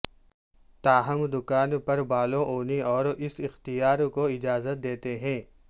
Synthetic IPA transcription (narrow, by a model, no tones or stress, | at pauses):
t̪aːɦɐmd̪ʊkaːnpɐɾbaːlõʔoːniɔːɾɪsɪxt̪ijaːɾkoɪd͡ʒaːzət̪̚d̪eːt̪eɦɛ̃ː